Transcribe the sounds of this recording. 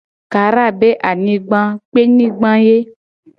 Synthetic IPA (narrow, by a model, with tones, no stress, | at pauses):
ka˨ɾa˦˨be˦ʔa˨nĩ˦ɡ͡bã˦k͡pe˦nĩ˦ɡ͡bã˦je˦